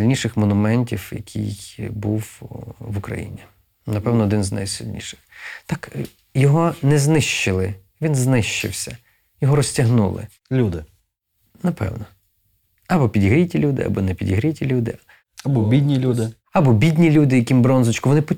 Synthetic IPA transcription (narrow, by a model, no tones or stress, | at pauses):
lʲnʲiʃɪxmɔnʊmɛnʲtʲiwjɐ̰kʲʰḭjbuwʋʊkɾɐ̰jḭnʲi | nɐpɛwnɔd̪ɪnzna̰jsilʲnʲḭʃɪ̥xt̪ɑk | jɔɦɔnɛznɪʃt͡ʃɪlˠɪ | ʋʲinznɪʃt͡ʃɪ̰wsʲɐ | jɔɦɔɾɔsʲtʲɐɦnṵlˠɪ̰ | lʲud̪ɪ | nɐpɛ̰wnɔ | ɐbɔpʲidʲɦɾʲitʲilʲud̪ɪ̰ɐ̰bɔnɛpʲidʲɦɾʲitʲilʲud̪ɪ̰ | ɐbɔbʲidʲnʲilʲud̪ɪ | ɐbɔbʲidʲnʲilʲud̪ɪjɐkʲimbɾɔnzʊt͡ʃkʊʋɔnɪpɔ